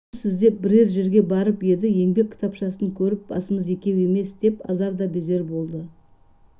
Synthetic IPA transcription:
sɪzd̪e̞p̚bɪɾe̞ɾʒe̞ɾɡʲe̞bɑɾəpje̞d̪ɪje̞ŋbe̞kʲʰːɪ̥t̪ʰɑpʃɑsəŋkʲʰɵɾɪp̚bɑ̰səməze̞kʲe̞we̞me̞sd̪̥e̞pɑ̰zɑɾd̪ɑbe̞ze̞ɾbo̞lˠd̪ə

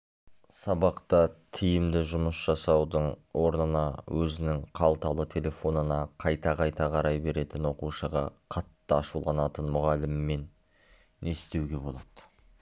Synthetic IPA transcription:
sɑbɑqt̪ɑt̪ʰijɪmd̪ɪʒʊməsʒ̥ɑsɑwd̪əɴwo̞ɾnənɑwʔɵzɪnɪŋqʰɑlˠt̪ɑlˠət̪ʲʰe̞lʲe̞fo̞nənɑqʰɑjt̪ɑqʰɑjt̪ɑqʰɑɾɑjbe̞ɾe̞t̪ɪnwo̞quʃəʁɑ̰qʰɑt̪ːəɑʃulˠɑnɑt̪ənmʊʁɑlɪmɪmːe̞nː | e̞st̪e̞wɡʲe̞bo̞lˠɑd̪̥ə

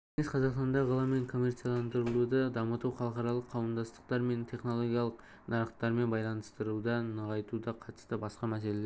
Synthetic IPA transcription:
enesqʰɑzɑqst̪ɑnd̪ɑʁəlˠɑmːe̞ŋkʰo̞mːe̞rt̪sijalˠɑnd̪əɾəlˠud̪əd̪ɑmət̪uwχɑlˠəqɑɾɑlˠəqʰːɑwəmd̪ɑst̪ə̥qt̪ɑɾme̞nt̪ʲʰe̞χno̞lˠo̞ɡʲijɑlˠəq | nɑɾəqt̪ːɑɾme̞nbɑjlˠɑnəst̪əɾud̪ɑnəʁɑjt̪ud̪ɑqʰɑt̪ə̥st̪əbɑsqɑmæs̬e̞lele

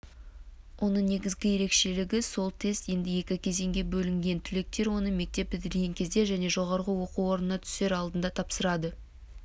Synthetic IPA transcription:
wʔo̞nəɴne̞ɡʲɪzɡʲɪje̞ɾe̞kʃe̞lɪɡʲɪso̞lˠt̪ʰe̞st̪je̞nd̪ɪje̞kʲɪkʲʰe̞ze̞ŋɡʲe̞bɵlɪŋɡʲe̞nt̪ʰʏle̞k̚t̪e̞ɾwo̞nəme̞k̚t̪e̞p̚bɪd̪ɪɾɡʲeŋkʲʰe̞zd̪e̞ʒæne̞ʒo̞ʁɑɾʁəwo̞quwo̞ɾnənɑt̪ʰʏ̥se̞ɾɑlˠd̪ənd̪ɑt̪ʰɑpsəɾɑd̪ə

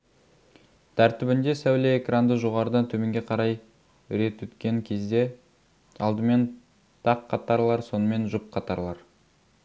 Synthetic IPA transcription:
t̪ʰæɾt̪ɪbɪnd̪e̞sæwleekrand̪əʒoʁɑɾəd̪ɑnt̪ʰɵme̞ŋɡʲeqʰɑɾɑj | ʏɾe̞t̪wɵt̪kʲe̞ŋkʲʰe̞zd̪e̞ | ɑlˠd̪əme̞n | t̪ʰɑqʰːɑt̪ɑɾlˠɑɾso̞nəme̞nʒʊp̚qʰɑt̪ɑɾlˠɑɾ

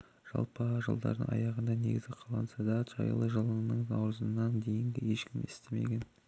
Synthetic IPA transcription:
ʒ̥ɑ̰lˠpəʒə̰lˠd̪ɑ̰ɾd̪ə̰ŋɑ̰jɑʁənd̪ɑne̞̰ɡʲɪzɡʲɪqʰɑlˠɑnsɑd̪ɑʒɑ̰jlˠəʒəlˠəɴnəɴnɑwɾəzənːɑnd̪e̞jɪŋɡ̪ʲɪje̞ʃkʲɪmɪst̪e̞me̞̰ɡʲe̞n

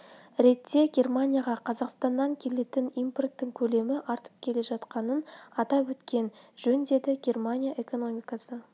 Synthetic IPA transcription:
ɾe̞t̪ːe̞ɡʲe̞rmanʲijaʁɑqʰɑzɑqst̪ɑnːɑŋkʲʰe̞le̞t̪ɪnijmpo̞rt̪ːɪŋkʲʰɵle̞mɪʔɑɾt̪ə̥p̚kʲʰe̞le̞ʒɑt̪qɑnənɑt̪ɑpwɵt̪kʲe̞nʒɵnd̪e̞d̪ɪɡʲe̞rmanʲijaʔe̞ko̞no̞mijkasə

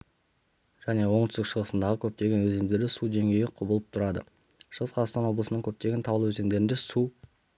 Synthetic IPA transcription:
ʒ̥æne̞wo̞ɴt̪ʏst̪ɪkʃəʁəsənd̪ɑʁəkʲʰɵp̚t̪e̞ɡʲe̞nwɵze̞ŋd̪eɾlɪsud̪e̞ŋɡʲe̞jɪqʰʊbəlˠəp̚t̪ʰʊɾɑd̪ə̰ | ʃəʁəsqʰɑzɑʁst̪ɑnwo̞blˠəsənəŋkʲʰɵp̚t̪e̞ɡʲent̪ʰɑwəlˠwɵze̞ŋd̪e̞ɾɪnd̪e̞su

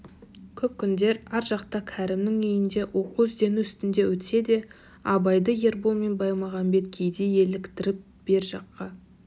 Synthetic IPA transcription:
kʲʰɵp̚kʲʰʏnd̪e̞ɾɑɾʒɑqt̪ɑkʲʰæɾɪmnɪŋijɪnd̪e̞wʔo̞quʏzd̪e̞nuʏst̪ɪnd̪e̞wɵt̪se̞d̪e̞ | ɑbɑjd̪əje̞ɾbolˠme̞nbɑjmɑʁɑnbe̞t̪kʲʰejd̪eje̞lɪkt̪ɪɾɪp̚ | b̥e̞ɾʒɑqːɑ

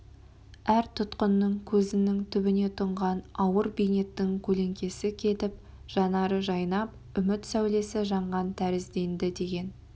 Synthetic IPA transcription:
æɾt̪ʰʊt̪qənːəŋkʲʰɵzɪnɪŋt̪ʰʏbɪne̞t̪ʰʊɴʁɑnɑwəɾbijne̞t̪ːɪŋkʲʰɵle̞ŋkʲe̞sɪkʲʰe̞t̪ɪp̚ | ʒ̥ɑnɑɾəʒɑjnɑp | ʏmɪt̪sæwle̞sɪʒɑɴʁɑnt̪ʰæɾɪzd̪e̞nd̪ɪd̪e̞ɡʲe̞n

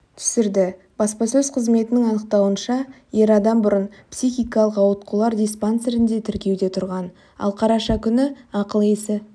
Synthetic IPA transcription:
t̪ʰʏ̥sɪɾd̪ɪ | b̥ɑspɑsɵzqʰəzme̞t̪ɪnɪŋɑnəq̚t̪ɑwənʃɑje̞ɾɑd̪ɑmbʊɾənpsixʲijkɑlˠəqɑwət̪̚qʰulˠɑɾd̪ijsponse̞ɾɪnd̪e̞t̪ʰɪɾkʲe̞wd̪e̞t̪ʰʊɾʁɑn | ɑ̰lˠqʰɑɾɑʃɑkʲʰʏnɪɑqəlˠesɪ

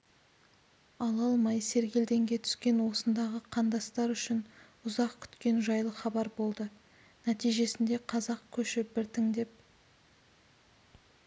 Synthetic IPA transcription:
ɑlˠɑlˠmɑjse̞ɾɡʲe̞ld̪e̞ŋɡʲe̞t̪ʰʏ̥skʲe̞nwo̞sənd̪ɑʁəqʰɑnd̪ɑst̪ɑɾʏʃɪn | ʊzɑqkʲʰʏ̥t̪kʲe̞nʒɑjlˠəχɑbɑɾbo̞lˠd̪ə | næt̪ijʒe̞sɪnd̪e̞qʰɑzɑq̚kʲʰɵʃɪbɪɾt̪ʰɪŋd̪e̞p̚

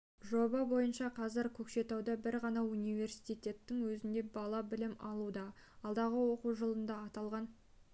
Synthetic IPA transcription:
ʒo̞bɑbo̞jənʃɑqʰɑzɪɾkʲʰɵkʃe̞t̪ɑwd̪ɑbɪɾʁɑnɑunijve̞rsi̥jt̪ijt̪ʲe̞t̪ːɪŋwɵzɪnd̪e̞bɑlˠɑbɪlɪmɑlˠud̪ɑ | ɑlˠd̪ɑʁəwo̞quʒəlˠənd̪ɑːt̪ɑlˠʁɑn

